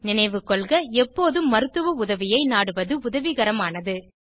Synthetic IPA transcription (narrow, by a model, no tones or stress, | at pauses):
nɪnɐɪʋɯkːɔɭɣɐɛpːoːðɯmːɐɾɯt̪ːɯʋɐʊðɐʋɪjɐɪnaːɽɯʋɐðɯʊðɐʋiɣɐɾɐmaːnɐðɯ